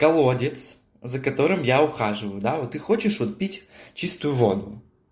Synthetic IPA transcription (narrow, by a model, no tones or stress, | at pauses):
kɐlˠɔdʲɪt̪s | zɐkɐt̪ɔɾɪmjaʊxaʐɨʋɐjʊd̪aɔt̪ɪxɔt͡ʃɪʂʋɔt̪̚pʲitʲt͡ʃist̪ʊjʊʋɔd̪ʊ